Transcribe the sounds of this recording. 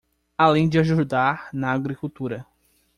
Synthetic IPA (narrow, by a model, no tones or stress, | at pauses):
alẽj̃d͡ʒɪaʒud̪aɾnɐaɡɾikuwt̪uɾɐ